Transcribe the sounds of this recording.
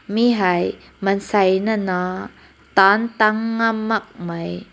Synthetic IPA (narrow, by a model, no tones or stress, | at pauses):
miɦɐj | mɐnsajnana | t̪ant̪aŋːɐmːɐk̚mɐj